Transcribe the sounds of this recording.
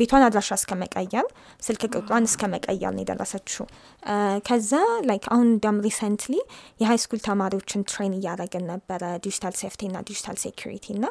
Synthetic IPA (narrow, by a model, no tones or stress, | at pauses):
be̞t̪ʰwanad̪ɾaʃaskʰəməkʼəjːɛɾ | sɨlkʰɨkʼɨt̪ʼwanɨskʰəməkʼəjːɛ̰ɾn̰jɛ̰d̪ə̰rːə̰sət͡ʃːu | kʰəzːalajkʰahund̪amɾisɛnt̪lijɛɦajskʰult̪ʰəmaɾiwo̞t͡ʃːɪnt̪ʰɾejnɨjːaɾəɡənnːəbːəɾəd̪id͡ʒi̥t̪ʰalseft̪ʰiɨnːa̰d̪id͡ʒi̥t̪ʰa̰lsekʰjuɾḭt̪ʰiɨnːa